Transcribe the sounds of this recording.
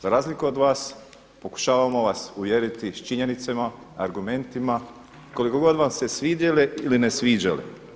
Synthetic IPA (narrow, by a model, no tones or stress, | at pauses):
zaɾaːzlikuod̪ʋaːs | po̞ku̥ʃaːʋamo̞ʋasuʋjeɾit̪it͡ʃiɲe̞nit̪sema | aɾɡume̞nt̪ima | ko̞liko̞ɡo̞d̪ʋamsesʋiːd̪jeleilinesʋiːd͡ʑalḭ